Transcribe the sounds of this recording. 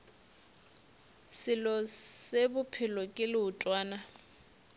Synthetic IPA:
sɪlɔsebʊpʰɪlɔkʼɪlɪʊtʼwaːna

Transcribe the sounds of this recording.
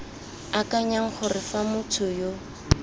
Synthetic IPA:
akaɲaŋ̩χʊrɪfamʊt͡sʰʊjo

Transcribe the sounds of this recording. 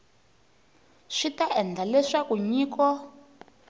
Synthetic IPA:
ʂitaɛnd͡ɮʱalɛʂakuɲiːkɔ

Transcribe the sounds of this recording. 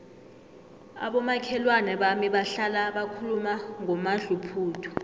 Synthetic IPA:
a̰ɓɔmakʰɛlwanɛɓamiɓaɬalaɓakʰulumaŋɔmaɮupʰuːtʰɔ̥

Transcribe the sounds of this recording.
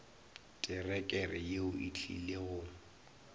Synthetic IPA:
tʼɪrɛkʼɛrɪjeʊʔit͡ɬʰḭleɣʊ

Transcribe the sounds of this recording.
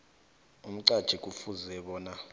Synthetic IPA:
um̩ǀad̥ʒ̥ʱikʼufuzɛɓɔːna

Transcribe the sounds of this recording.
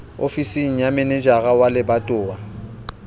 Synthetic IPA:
ofisiŋ̩jamɛnɛd͡ʒaɣawalɪbatʼʊːa

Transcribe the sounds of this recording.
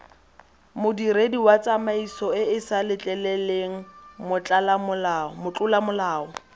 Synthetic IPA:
mʊdirediwat͡sʼamaisɔɪɪsalɪt͡ɬʼɛlɛleŋ̩mʊt͡ɬʼalamʊlamʊt͡ɬʼʊlamʊlaːɔ

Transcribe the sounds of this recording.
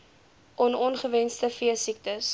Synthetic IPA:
ʔɔnɔnχəvɛnstəfiəsik̚təs

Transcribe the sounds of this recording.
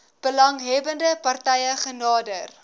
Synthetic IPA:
b̥əlɐŋɦɛbəndəpɐrtɛjəχənɑːdər

